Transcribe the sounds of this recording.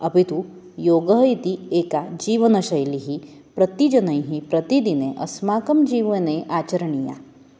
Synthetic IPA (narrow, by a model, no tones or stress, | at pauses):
ɐpit̪u | joːɡɐɦit̪ieːkad͡ʒiːʋɐnɐʃɐjliɦi | pɾɐt̪id͡ʒɐnɐjɦipɾɐt̪id̪ineʔɐ̰smaːkɐmd͡ʒiːʋəneʔaːt͡ʃəɾɐɳija̰